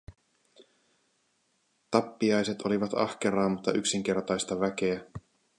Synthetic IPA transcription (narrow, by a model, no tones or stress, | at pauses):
t̪ɑpːiɑjse̞t̪o̞liʋɑt̪ɑ̰hkeɾɑːmut̪ːɑʔyksiŋk̟e̞rt̪ɑjst̪ɑʋæk̟e̞æ